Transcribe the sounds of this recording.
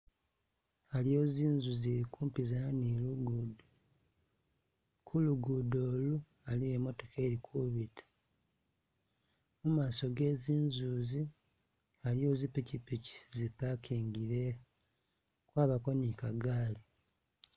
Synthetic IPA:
alijo̞ːziːnzuzeɾikʰuːmpizaniluɡudo | kʰuluɡudoːlu | alijemo̞to̞kʰe̞ːɾikʰuβitʰḁ | mumaːso̞ɡe̞ːziːnzuːzi | alio̞zipicipici̥zipakʰiːŋɡiɾe | kwaːβako̞nikaɡaːli

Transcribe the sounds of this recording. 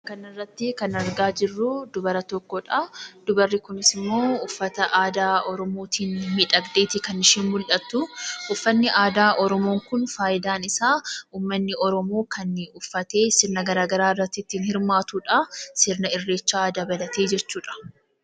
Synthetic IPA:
kɐnɐrːɐt̪ːɪkɐnɐɾɡaːd͡ʒɪrːʊd̪ʊbɐɾɐt̪ɔkːɔᶑaɐd̪ʊbɐrːɪkʊnɪsɪmːo̞ːʊfːɐt̪ɐʔaːd̪aːɔɾɔmoːt̪ʰiːnmiᶑɐɡd̪e̞ːt̪ɪkɐnɪʃiːnmʊlʔɐt̪ːʊʔʊfːɐnːɪʔaːd̪aːʔɔɾɔmo̞ːŋkʊnfaːjɪd̪aːnɪsaːuːmːɐnːɪʔɔɾɔmoːkɐnʊfːɐt̪e̞ːsɪɾnɐɡɐɾaːɡɐɾaːɪrːɐt̪ːɪt̪ːiːnhɪɾmaːt̪uːᶑɐsɪɾnɐɪrːe̞ːt͡ʃːaːd̪ɐbɐlɐt̪eːd͡ʒɛt͡ʃːuːᶑɐ̥

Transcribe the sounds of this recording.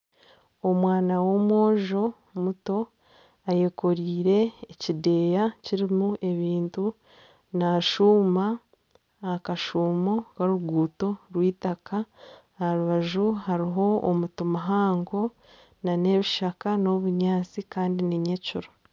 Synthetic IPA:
o̞mwaːnawo̞mwo̞ːʒo̞ | muto̞ | aje̞ko̞ɾiːɾe̞ːcide̞ːjaciɾimuʔe̞βiːntu | naʃuːma | kaʃuːmo̞kaɾuɡuːto̞ɾwiːtaka | haɾuβaʒuhaɾiɦo̞ːmutomaɦaːŋɡo | nane̞βiʃakano̞βuɲaːt͡sikaːndiniɲeciɾo

